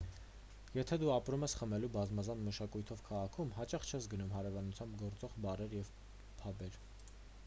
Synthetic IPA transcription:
jɛt̪ʰɛd̪uɑpɾumɛsχəmɛlubɑzmɑzɑnməʃɑkujt̪ʰɔvkʰɑʁɑkʰumɦɑt͡ʃɑχt͡ʃʰɛsɡənumɦɑɾɛvɑnut͡sʰjɑmbɡɔɾt͡sɔʁbɑɾɛɾjɛv | pʰɑbɛɾ

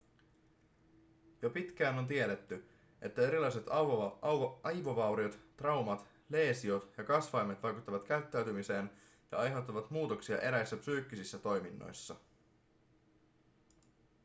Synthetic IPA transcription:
jo̞pit̪k̟æːno̞nt̪̬ie̞ɾe̞t̪ːy | ʔe̞t̪ːæe̞ɾilɑjse̞t̪ | ɑjʋo̞ʋɑwɾiot̪t̪ːrɑwmɑt̪ | le̞ːsio̞t̪jɑkɑsʋɑjmet̪ʋɑjkut̪ːɑʋɑt̪kæyt̪ːæyt̪ymise̞ːn | jɑ̰ɑjɦewt̪ːɑʋɑt̪muːt̪o̞ksiɑ̰ʔe̞ɾæjsːæpsyːk̟ːisisːæt̪o̞jminːo̞̰jsːɑ

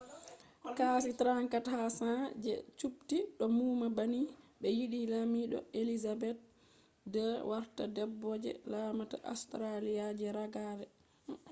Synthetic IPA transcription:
kasitɾaŋkathasad͡ʒɛ̰t͡ʃuptiɗɔmumabaniɓɛjiɗilamiɗɔ̰elizabɛt̚ | dɛwaɾtadɛbːɔd͡ʒɛ̰lamata̰ʔa̰stɾalijad͡ʒɛɾaɡavɛ

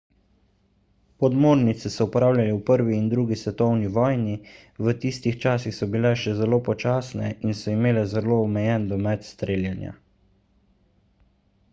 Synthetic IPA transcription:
pɔd̪moːɾnit̪sɛsɔupɾaːwlʲjalɛwpəɾʋiːnd̪ɾuːɡisʋɛt̪ɔwniʋɔːjni | ʋət̪iːst̪ixt͡ʃaːsixsɔbilɛʃɛzɛloːpɔt͡ʃaːsnɛinsɔimeːlɛzɛloːmɛjɛnd̪ɔmɛt̪st̪ɾeːljɛnja̰

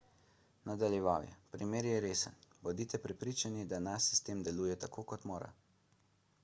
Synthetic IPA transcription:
nad̪aljɛʋaːwjɛ̰pɾimeːɾjɛɾeːsənbɔd̪iːt̪ɛpɾɛpɾiːt͡ʃanid̪anaʃsi̥st̪eːmd̪ɛluːjɛt̪akoːkɔt̪moːɾa̰

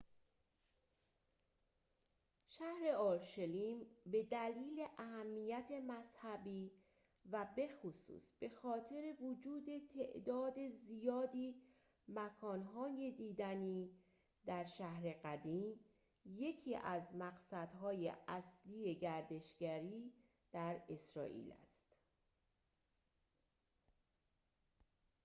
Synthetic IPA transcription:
ʃæhɾe̞ɒːɾʃeliːmbe̞d̪æliːle̞ʔæhæmːijæt̪ʰe̞mæzhæbiː | væbe̞xosṵːsb̥e̞xɒːt̪ʰe̞ɾe̞vod͡ʒuːd̪e̞t̪ʰe̞ʔd̪ɒːd̪e̞zijɒːd̪iː | mækʰɒːnɦɒːje̞d̪iːd̪æniː | d̪æɾʃæhɾe̞ɣæd̪iːm | je̞cʰiːʔæzmæɣsæd̪ɦɒːjḛʔæslije̞ɟæɾd̪e̞ʃɟ̥æɾiː | d̪̥æɾe̞sɾɒ̰ːʔḭːlæ̰st̪

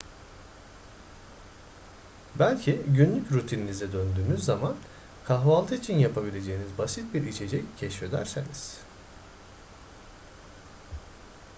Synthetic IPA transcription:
bælʲcʰiɟynlʲycɾut̪ʰininizɛd̪ønd̪yːmyzːaman | kʰaɦvalˠt̪ʰɯit͡ʃʰinjapʰabilʲe̞d͡ʒe̞jinizbasit̪̚biɾit͡ʃʰe̞d͡ʒɛccʰɛʃfed̪æ̰ɾseniz̥

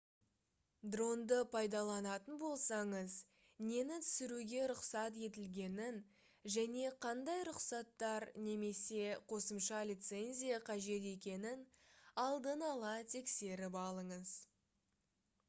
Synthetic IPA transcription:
d̪ro̞nd̪əpʰɑjd̪ɑlˠɑnɑt̪ənbo̞lˠsɑɴəz | ne̞nɪt̪ʰʏ̥sɪɾuɡʲe̞ɾʊqsɑt̪e̞t̪̬ɪlɡʲe̞nɪn | ʒæne̞qʰɑnd̪ɑjɾʊqsɑt̪ːɑɾne̞me̞se̞qʰo̞səmʃɑlʲit̪se̞nʲzʲijɑqʰɑʒe̞t̪̬e̞kʲe̞nɪnɑlˠd̪ənɑlˠɑt̪ʰe̞kse̞ɾɪpɑlˠəɴəz

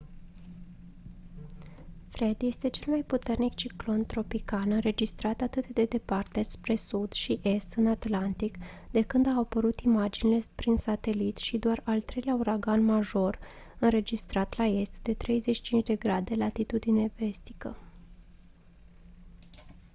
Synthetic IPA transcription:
fɾe̞d̪je̞st̪e̞t͡ʃe̞lmajput̪e̞rnikt͡ʃiklo̞nt̪ɾo̞pikalɨnɾe̞d͡ʒist̪ɾat̪at̪ɨt̪d̪e̞d̪e̞part̪e̞spɾe̞sud̪̥ʃiʔe̞st̪ɨnat̪lant̪ik | d̪e̞kɨnd̪aopəɾut̪imad͡ʒinile̞pɾinsat̪e̞lit̪ʃid̪oaralt̪ɾe̞jleauɾaɡanmaʒo̞r | ɨnɾe̞d͡ʒist̪ɾat̪lae̞st̪d̪e̞t̪ɾe̞jze̞t͡ʃʃi̥t͡ʃint͡ʃd̪e̞ɡɾad̪e̞lat̪it̪ud̪ineve̞st̪i̥kə

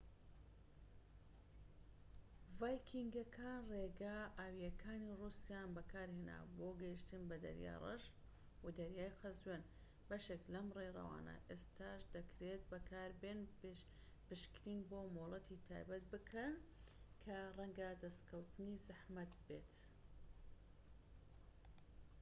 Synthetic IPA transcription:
vaːjkʰiŋɡɐkʰaːnreːɡaʔaːwijɐkʰaːnirusijanbɐkʰaːɾheːna̰ːboːɡɐiʃt̪ɨnbɐd̪ɐ̰ɾja̰ːjrɐ̰ʒ | wad̪ɐɾjaːjqʰɐzwen | bɐʃeklɐmreɾɐ̰wa̰ːnɐ̰ʔeːst̪aːʃd̪ɐkɾet̪̚bɐkʰaːɾbeːn | bɨʃkɾiːnboːmolˠɐt̪ʰit̪ʰa̰ːjbɐt̪̚bɨkʰɐnkʰɐrɐŋɡɐd̪ɐst̪kʰɐwt̪ɨnizɨħmɐt̪beːt̪

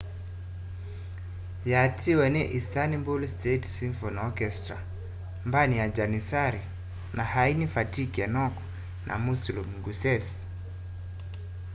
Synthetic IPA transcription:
jatʰiwɛnɛʔistanimbulstɛtsinfɔnɔkɛstɾa̰ | mbanijad͡ʒanisaɾi | nahainifatikiɛnɔkɔ̥ | nʔa̰musulumɡusɛs

